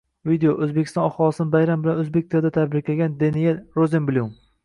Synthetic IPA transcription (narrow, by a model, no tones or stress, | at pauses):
vid̪eoʔɵzbekʲʰɪst̪ɒ̃nɒχɒlˠɨsɪnɪbajɾambɪlanɵzbek̚ʲt̪ʰad̪at̪ʰad̪bɾɪɾkʲlaɡʲand̪anijelɾozembɪlʲum